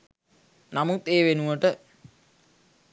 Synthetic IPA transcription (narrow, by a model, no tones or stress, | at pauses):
namut̪eːʋenuʋəʈə